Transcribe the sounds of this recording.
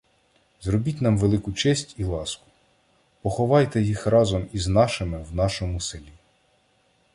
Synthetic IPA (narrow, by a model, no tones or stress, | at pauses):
zrɔbʲitʲnɑmʋelˠɪkʊt͡ʃɛsʲtʲilˠɑskʊ̥ | pɔxɔʋɑjt̪ɛjixrɑzɔmiznɑʃɪmɪwnɑʃɔmʊselʲi